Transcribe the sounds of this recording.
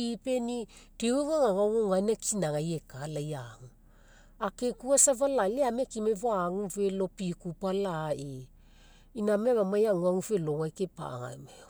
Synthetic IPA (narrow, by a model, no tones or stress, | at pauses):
ipe̞ni | tieŋaŋaŋaŋoŋanakinaŋajekalajaŋu | akekuasavalaleamekimevoaŋuve̞lo̞pikupalae | inameβamajaŋuaŋufeloŋajkepa̰ŋa̰me